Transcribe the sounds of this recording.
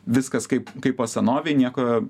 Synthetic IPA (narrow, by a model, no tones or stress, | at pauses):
ʋʲɪskɐskɐɪpkɐɪpoːsʲɛnoːʋʲɛɪnʲiɛko